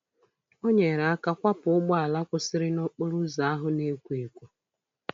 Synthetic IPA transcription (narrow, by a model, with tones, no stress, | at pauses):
o˦ɲe˨ɾa˨a˦ka˦kʷa˦pʊ˨ʊ˦ɡ͡bɔ˦a˨la˦kʷʊ˦sɪ˦ɾɪ˦nʊ˦k͡pʊ˦ɾʊ˦za˨a˦ɦʊ˦ne˦kʷu˦e˨kʷu˨